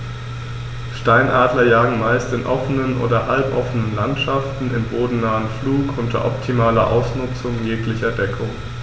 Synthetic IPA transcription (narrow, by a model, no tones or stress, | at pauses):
ʃtaɪnʔaːdlɐjaːɡŋ̩maɪstɪnʔɔfənənʔo̰ːdɐhalpʔɔ̰fənənlantʃaftn̩ɪmboːdn̩naːənfluːkʔʊntʰɐ̰ʔɔp̚tʰimaːlɐʔa̰ʊsnʊt͡sʊŋjeːklɪçɐdɛkʰʊŋ